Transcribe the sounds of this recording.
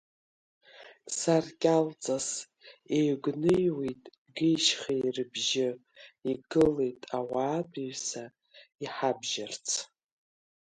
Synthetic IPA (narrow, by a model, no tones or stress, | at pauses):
sarkʲʼalt͡sʼas | ejɡʷnɨjwitʼ | ɡejʃχejrɨbʒɪ | iɡɨle̞jtʼawaːbiɥsa | iħabʒart͡sʰ